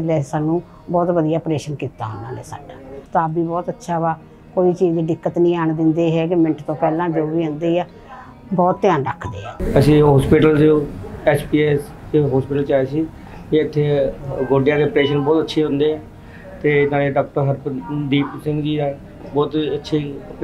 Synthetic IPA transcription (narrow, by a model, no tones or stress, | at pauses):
lɛːsaːnːũː | bɔːt̪ʋəd̪ijaːpɾeːʃənkiːt̪a̰ːɦnd̪a̰ːneːsa̰ːɖaːt̪ãːəbiːbɔːt̪ətːʃʰaːʋaː | koːiːt͡ʃiːd͡ʒd̪iːɖɪkːət̪nĩːaːɳd̪ɪnd̪eːɦɛːkɪmɪnʈt̪õːpɛːlãːd͡ʒoːʋiːɦə̃nd̪eːaː | bɔːt̪ːɪjãːnɾə̰kʰd̪ḛːa̰ːəsĩːɦɔːspɪʈəld͡ʒoːɛːt͡ʃpiːɛːs | eɦɔːspɪʈəlt͡ʃaːeːsiː | iːət̪ʰːeːɡoːɖɪjãːd̪eːəpɾeːʃənbɔːt̪ətːʃʰeːɦʊ̃nd̪eːɛ̃ː | t̪eːnaːɽeːɖɔːk̚ʈəɾɦəɾbəd̪iːpsɪ̃ŋɡd͡ʒiːaː | bɔːt̪ətːʃʰiːp